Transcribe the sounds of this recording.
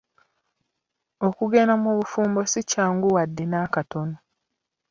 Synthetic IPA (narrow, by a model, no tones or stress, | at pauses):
okuɡeːnamuβufuːmbo̞sicaːŋɡuwadːenaːkato̞no